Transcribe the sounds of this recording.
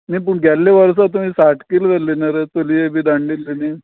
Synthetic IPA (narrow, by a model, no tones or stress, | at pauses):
mip̬əɳɡʱɛlːeʋəɾs̬at̪̬umiːsaʈkilʋelːinaɾet͡s̪oliebʱiːd̪aɳlilːeni